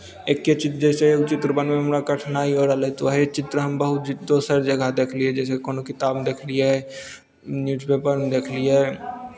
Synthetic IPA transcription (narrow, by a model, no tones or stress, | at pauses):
eːkːet͡ʃɪt̪d͡ʒɛːseeːt͡ʃɪt̪ɾəbənmẽɦɐmɾakɐʈʰnaːioːɾalet̪oɦet͡ʃɪt̪ɾəɦɐmbəɦʊt̪d͡ʒd̪oːsəɾd͡ʒɐɡʱad̪eːkʰliɛd͡ʒɛːsekoːnokɪt̪aːbd̪eːkʰlie | njuːzpeːpəɾd̪eːkʰliɛː